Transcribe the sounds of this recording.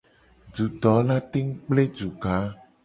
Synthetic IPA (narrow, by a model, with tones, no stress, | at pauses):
ɖu˨d̪ɔ˨˦la˦t̪e˦ŋ˦k͡ple˦d͡ʒu˨ɡa˨˦